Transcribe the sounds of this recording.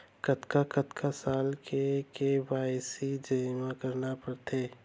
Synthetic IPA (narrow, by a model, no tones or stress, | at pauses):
kət̪kakət̪kʰasaːlkʰekeʋaːɪsid͡ʒəmakəɾnapəɾt̪ʰeː